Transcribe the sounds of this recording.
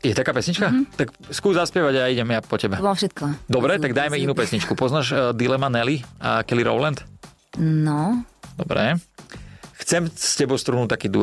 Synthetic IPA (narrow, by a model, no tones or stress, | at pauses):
jɛt̪akaːpɛsɲit͡ʃkat̪ak | skuːzaspjɛʋaɟajaiɟɛmjapɔcɛbabfʃɛt̪̚kɔd̪ɔbɾɛt̪aɡd̪ajmɛinuːpɛsɲit͡ʃkupɔznaːʃd̪ilɛmanɛliakɛliɾɔ̰ʊlɛnt̪ | nɔd̪ɔbɾɛ̰ | xt͡sɛmscɛbɔʊst̪ɾunuːt̪akiːd̪u